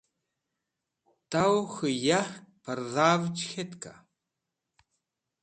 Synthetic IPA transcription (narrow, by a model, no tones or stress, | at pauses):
t̪awxɨjaħk̚pʰaɾðaːvt͡ʃxɛt̪ka̰